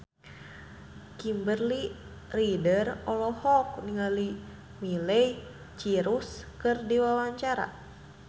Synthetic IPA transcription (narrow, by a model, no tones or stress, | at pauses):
kimbərli | ridərɔlɔhɔk̚niŋali | milɛj | t͡ʃiɾuskɨrdiwawaɲt͡ʃaɾa̰